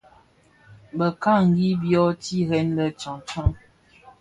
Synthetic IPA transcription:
bə˨ka˦ŋ̩˨ɡi˦bjɔ˦ti˦ɣɛ˦n˦də˦t͡ʃɔ̃˨t͡ʃɔ˦ŋ

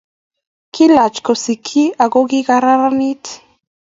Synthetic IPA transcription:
kʰi˦la˨t͡ʃko˨si˨kʰi˦a˨ɡoɡiɡaɾa˦ɾani˦t̪

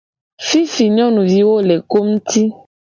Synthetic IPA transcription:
fi˦fi˨ɲɔ̃˦nũ˨vi˨wo˦le˨ko˦m̩̃˦t̪i˦

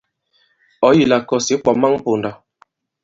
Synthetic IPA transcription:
ɔ˨˦ji˨la˨kɔ˨si˨˦k͡pɔ˨ma˦ŋ˦po˨nda˨

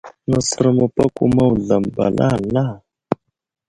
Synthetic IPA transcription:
nɔ˨sɔ˨ɾɔ˨mɔ˨pa˦ku˦ma˦u˨ɮa˨m̩˨ba̰˨lʔa˦˨la˦˨

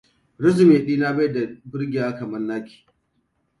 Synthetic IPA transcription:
ɽɪ˦zɪ˨meː˨ɗiː˦na˦bɐ˦jda˨bɪ˦rɡʲɪ˨jaː˦kɐ˨mɐ˦rnaː˦kʲi̥ː˨

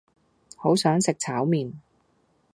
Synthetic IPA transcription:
ho˨˥wsœː˨˥ŋsɪ˨k̚t͡sʰaː˨˥wmiː˨n

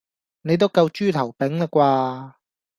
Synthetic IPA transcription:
ne˨˧jt̪o˥wkɐ˧wt͡ʃyː˥t̪ʰɐ˨˩wpɪ˨˥ŋlɐ˨kʷwaː˧

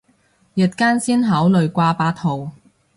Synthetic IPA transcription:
jɐ˨t̚kaː˥nsiː˥nɦɐː˨˥wlɵ˨ɥkʷaː˧paː˧t̪ʰo˨w

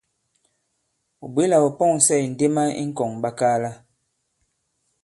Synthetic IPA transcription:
o˨bwe˦la˨o˨pɔ˦˨ŋ˨sɛ˦˨n̩˨de˦ma˦ḭ˦ŋ̩˦kɔ˨ŋba˦kaː˦la˦

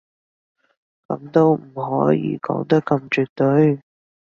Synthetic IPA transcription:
kɐ˨˧˥mt̪o˥wm̩˨˩ɦɔː˨˥jḭː˧kɔ̰ː˨˥ŋt̪ɐ˥kːɐ˧mt͡ʃyː˨˧t̪ɵ˨˥ɥ

